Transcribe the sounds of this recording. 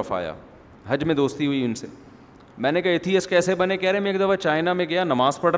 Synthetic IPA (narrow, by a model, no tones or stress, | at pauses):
əfa̰ːja̰ː | ɦɐd͡ʒmẽd̪oːst̪iɦʊiʊnsḛː | mɛ̃ːnekɐɦɪt̪ʰiɐskɛːsebɐnekɛːɾeɦmẽeːkd̪ɐfat͡ʃaːɪnamẽɡɐjanɐmaːzpɐɽ